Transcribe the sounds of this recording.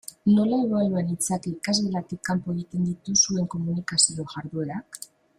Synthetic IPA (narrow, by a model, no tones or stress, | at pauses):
no̞laeβalanit͡sakeikazɣelat̪ekːampoeɣit̪e̞nd̪it̪usue̞ŋko̞munikasio̞ʝaɾðue̞ɾak